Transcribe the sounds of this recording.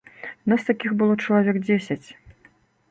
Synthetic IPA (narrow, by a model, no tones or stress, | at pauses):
nast̪akʲixbɨlˠɔt͡ʂɐlˠavʲɛkd͡zʲesʲɐt͡sʲ